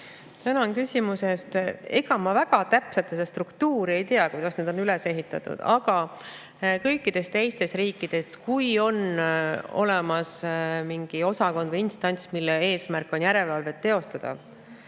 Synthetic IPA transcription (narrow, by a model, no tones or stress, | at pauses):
t̪ænɑnkysʲimuse̞st̪e̞ɡ̥ɑmɑvæɡ̥ɑt̪æpset̪ːsed̪est̪rukt̪uːɾie̞jt̪eɑkujd̪̥ɑsne̞d̪o̞nyle̞se̞ɦit̪ːˑɑ̰t̪ːˑṵd̪̥ɑɡ̥ɑ | kɤ̞jkːˑid̪̥e̞st̪e̞jst̪e̞sriːkːˑid̪̥e̞skujo̞n | o̞̰lemɑsmiŋɡ̥io̞sɑko̞nd̪vɤjinst̪ɑnʲt̪sʲmilːee̞ːsmærkːˑo̞njæɾe̞lvɑlve̞t̪ːe̞o̞st̪ɑd̪̥ɑ̰